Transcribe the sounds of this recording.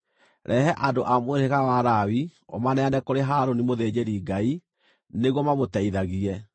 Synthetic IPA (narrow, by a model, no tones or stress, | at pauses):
ɾʔɛɦɛʔadoʔamoeɾeɣawaɾawio̰manɛanɛkoɾeɦaɾonimoðed͡ʑeɾiɡai | neɣwɔmamotɛiðaɣiɛ